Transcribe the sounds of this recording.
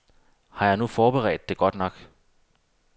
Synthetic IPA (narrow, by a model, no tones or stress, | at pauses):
hɑ̈jɑ̈ɪnufɒːb̥eʁɛ̰ːd̥ːe̝ɡ̥ɒ̽d̥nɒ̽ɡ̥